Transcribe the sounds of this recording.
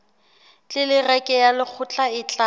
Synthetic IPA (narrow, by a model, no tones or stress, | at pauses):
t͡ɬʼɪlɪrɛkʼɛjalɪk͡xʰʊt͡ɬʼaɪt͡ɬʼa